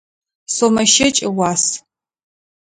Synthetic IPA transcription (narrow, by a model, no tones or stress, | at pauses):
somɐʃɐt͡ʃʼɪwʷɑːs